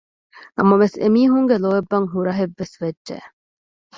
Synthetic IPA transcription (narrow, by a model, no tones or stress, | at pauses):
nɐmɐʋesḛmiːɦuŋɡeloebːɐŋɦuɾɐɦeʋːesʋedʒḛ